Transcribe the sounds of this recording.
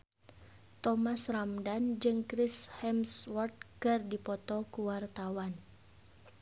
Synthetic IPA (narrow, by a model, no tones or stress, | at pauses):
t̪ɔmasramdand͡ʒɨŋkɾishɛmswɔrt̪̚kɨrdipɔt̪ɔkuwart̪awan